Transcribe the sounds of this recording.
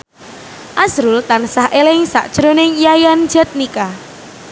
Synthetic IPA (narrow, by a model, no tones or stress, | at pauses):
ʔasɾult̪ansahʔelɪŋsa̰ʔd̥ʒ̥ɾonɪŋjajand̥d͡ʒ̥ɛ̤t̪̚nika